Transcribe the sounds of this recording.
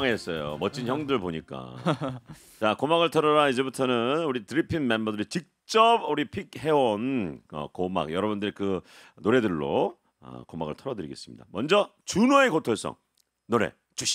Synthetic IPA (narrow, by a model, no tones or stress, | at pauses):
ŋeːs͈ʌjo̰mʌt͡ɕʰinçjʌŋdɯɭboɲik͈a̰ | t͡ɕakomaɡɯɭtʰʌɾʌɾaid͡ʑe̞butʰʌnɯnuɾitɯɾipʰinme̞mbʌdɯɾit͡ɕik̚t͡ɕ͈ʌbuɾipʰik̚he̞onʌ̰koma̰kjʌɾʌbundɯɾikɯ | noɾe̞dɯɭːo̰ | ʌ̰komaɡɯ̰ɭtʰʌɾʌdɯɾiɡe̞s͈ɯmɲḭda̰mʌnd͡ʑʌ | t͡ɕunoekotʰoɭs͈ʌ̰ŋ | noɾe̞̰ | t͡ɕuɕ